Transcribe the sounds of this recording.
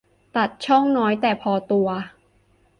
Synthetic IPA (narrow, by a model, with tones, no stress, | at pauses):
t̪a˨˩t̪̚t͡ɕʰɔ˥˩ŋnɔː˦˥jt̪ɛː˨˩pʰɔː˧t̪u˧ɐ